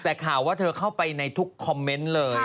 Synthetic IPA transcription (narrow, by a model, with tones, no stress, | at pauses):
t̪ɛː˨˩kʰaː˨˩waː˥˩t̪ʰɤː˧kʰa˥˩wpa˧jna˧jt̪ʰu˦˥kʰːɔ˧mːe˦˥nlɤː˧j